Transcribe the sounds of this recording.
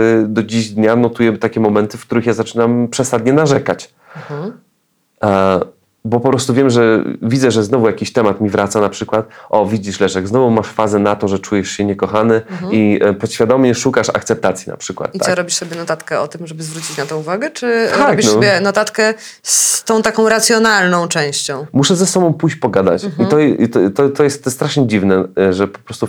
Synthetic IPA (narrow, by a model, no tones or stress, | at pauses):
d̪ɔd͡ʑiʑd̪ɲanɔt̪ujɛt̪akʲɛmɔmɛnt̪ɘfkt̪uɾɘxjazat͡ʂɘnampʂɛsad̪̚ɲɛnaʐɛkat͡ɕ | bɔpɔpɾɔst̪uvʲjɛmʐɛvʲid̪zɛʐɛznɔvujakʲiɕt̪ɛmat̪mʲivɾʔat̪sanapʂɘkwat̪ʔɔvʲid͡ʑiʂlɛʂɛɡznɔvumaʂfazɛnat̪ɔʐɛt͡ʂujɛʂɕɛɲɛkɔxanɘipɔɕfʲjad̪ɔmɲɛʂukaʂa̰kt̪sɛp̚t̪at̪sʲjina̰pʂɘkwa̰t̪ːaɛɾɔbʲiʂsɔbʲjɛnɔt̪at̪kɛɔt̪ɘmʐɛbɘzvɾut͡ɕit͡ɕnat̪ɔ̃w̃uvaɡɛt͡ʂɘaɔkbisbjɛnɔt̪at̪kɛ | st̪ɔ̃w̃t̪akɔ̃w̃ɾat̪sʲjɔnalnɔ̃w̃t͡ʂɛ̃w̃ɕt͡ɕɔ̃w̃muʂɛzɛsɔbɔ̃w̃pujɕt͡ɕpɔɡad̪a̰t͡ɕit̪ɔt̪ɔt̪ɔt̪ːɔjɛst̪st̪ɾaʂɲɛd͡ʑivnɛʐɛpɔ̥pɾɔst̪u